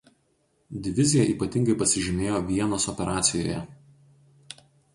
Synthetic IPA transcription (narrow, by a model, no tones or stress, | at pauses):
d̪ʲɪʋʲɪzʲɪjɛʔiːpɐt̪ʲɪŋɡɐɪpɐsʲɪʒʲɪmʲeːjoːʋʲiɛnoːsɔpʲɛɾɑːt̪sʲɪjo̰ːjɛ̰